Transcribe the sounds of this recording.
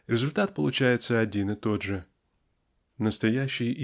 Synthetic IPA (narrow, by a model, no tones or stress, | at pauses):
ɾʲɪzʊlʲt̪at̪̚pəlˠʊt͡ɕæjɪt̪səɐdʲinɨt̪o̞d̪ʐɨ | nəst̪ɐjæɕːɪj